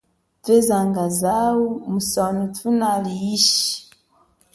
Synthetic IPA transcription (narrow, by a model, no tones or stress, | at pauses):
vezaŋɡazawumusonutunaliiʃi̥